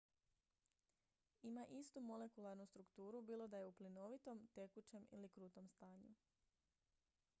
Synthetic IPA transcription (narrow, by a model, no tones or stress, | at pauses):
imaʔist̪umo̞le̞kulˠaɾnust̪ɾukt̪uːɾubiːlˠo̞d̪aje̞uplino̞ʋit̪o̞mt̪e̞kut͡ɕe̞mḭlikɾuːt̪o̞mst̪aːɲu